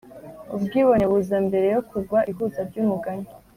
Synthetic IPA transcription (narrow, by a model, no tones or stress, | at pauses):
ubɡiːβo̞neβuzambe̞ɾe̞jo̞kʰuɡwaʔiɦuzaɾɟuːmuɡaɲe